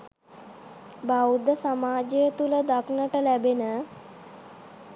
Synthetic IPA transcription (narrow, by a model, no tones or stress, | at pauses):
bawd̪əsamaːd͡ʒejət̪uləd̪aknəʈəlæbenə